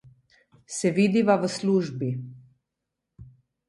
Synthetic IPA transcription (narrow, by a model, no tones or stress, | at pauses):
sɛʋiːd̪iʋaʋəsluːʒbi